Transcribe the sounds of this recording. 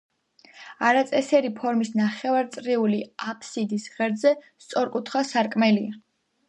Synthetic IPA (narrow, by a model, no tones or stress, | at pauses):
aɾat̪sʼɛsɛɾipʰɔɾmisnaχɛvaɾt̪sʼɾiuliapʰsid̪isʁɛɾd̪zɛst̪sʼɔɾkʼut̪ʰχwasaɾkʼmɛlia